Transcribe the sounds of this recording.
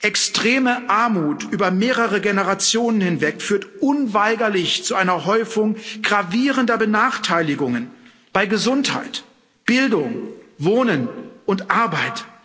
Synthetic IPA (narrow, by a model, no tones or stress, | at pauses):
ʔɛkstʁ̥eːməʔaɐmuːtʔyːbɐmeːʁəʁ̞əɡenəʁat͡sjoːnənhɪnvɛkfyːɐtʔʊnvaɪɡɐlɪçt͡suʔaɪnɐɦɔʏfʊŋɡ̥ʁaviːʁəndɐbənaːχtʰaɪlɪɡʊŋən | b̥aɪɡəzʊntha̰ɪt | b̥ɪldʊŋvoːnənʊntʔaɐbaɪt